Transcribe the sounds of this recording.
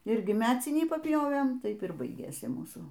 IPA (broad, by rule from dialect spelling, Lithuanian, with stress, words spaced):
ˈɪrʲɡʲɪ ˈmʲæːt͡sʲɪnʲiː pɐpʲˈjoːʋʲeːm ˈtɐɪp ɪr ˈbɐɪɡʲeːsʲɪ ˈmuːsuː